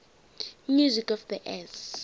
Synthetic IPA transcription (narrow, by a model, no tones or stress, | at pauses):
mjuzikɔfðiʔɛs